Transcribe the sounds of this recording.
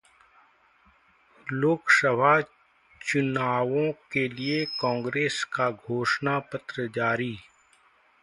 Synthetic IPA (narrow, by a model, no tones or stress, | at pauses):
loːksəbʱa | t͡ʃʊnaːʋõkeliekɔ̃ːŋɡɾeːskaɡʱoːʃnapət̪ɾəd͡ʒaːɾiː